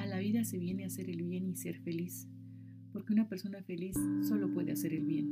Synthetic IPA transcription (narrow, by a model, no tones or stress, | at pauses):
alaβ̞iðase̞βje̞ne̞ase̞ɾelβje̞nise̞ɾfe̞lis | po̞ɾkeunapeɾso̞nafe̞lisːo̞lo̞pwe̞ðe̞ase̞ɾe̞lβje̞n